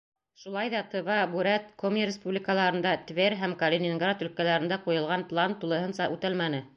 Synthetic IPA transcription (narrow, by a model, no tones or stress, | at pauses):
ʃulˠɑjðɑt̪ɤ̆vɑbuɾæt̪komʲeɾʲɪspublʲikəlˠɑɾɤ̆nd̪ɑt̪veɾɦæmkɐlʲenʲɪŋɡrat̪ɵ̆lkælæɾɘ̆nd̪æqujɤ̆lˠʁɑnplˠant̪ulˠɤ̆ɦɤ̆nsɑʔʉt̪ælmænɘ